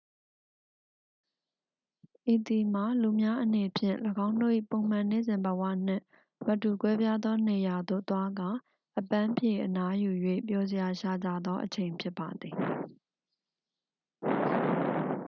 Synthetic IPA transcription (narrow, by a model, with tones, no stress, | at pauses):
ʔi˨t̪i˨m̥a˨lu˨mja˦ʔəne˨pʰjɪ̰̃˦˨ləɡã˦ʊ̃ndo̰˦˨ʔḭ˦˨põ˨ʊ̃m̥ã˨ne˦˨zɪ̃˨mbə˨wa̰˦˨n̥ɪ̰̃˦˨ʔ | mə˨tu˨kwɛ˦bja˦d̪ɔ˦ne˨ja˨d̪o̰˦˨t̪wa˦ɡa˦˨ | ʔəpã˦mpʰje˨ʔəna˦ju˨jwḛ˦˨pjɔ˦zɪ˨ja˨ʃa˦˨d͡ʑä̰˦˨d̪ðɔ˦ʔət͡ɕʰẽ˨ɪ̃mpʰjɪ˦pːa˨d̪ði˨